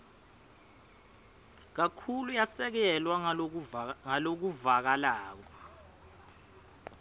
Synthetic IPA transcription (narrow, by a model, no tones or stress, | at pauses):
k̬akʰulujasɛk̬ɛlwa | ŋalok̬uvak̬alaːk̬ɔ